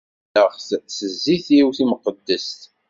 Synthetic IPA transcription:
əʁθsəzːiθiwθiməqəd̪ːəst̪

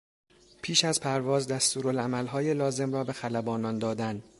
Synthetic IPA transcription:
pʰiːʃæzpʰæɾvɒːzd̪æst̪uːɾolæmælɦɒːjelɒːze̞mrɒːbe̞xælæbɒːnɒːnd̪ɒːd̪æn

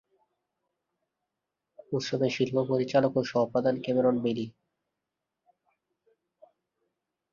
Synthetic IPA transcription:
ut̪ʃobeʃilpʰopoɾit͡ɕalokoʃɔpad̪ankemeɾonbeli

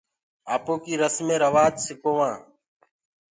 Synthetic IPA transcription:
aːpoːkiːɾəsmẽːɾəʋaːt̪sɪkoːʋãː

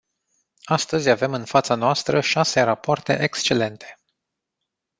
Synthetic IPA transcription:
ast̪əzʲave̞mɨnfat̪sanoast̪ɾəʃase̞ɾapoart̪e̞̰ʔekst͡ʃe̞le̞nt̪ʰe̞̥

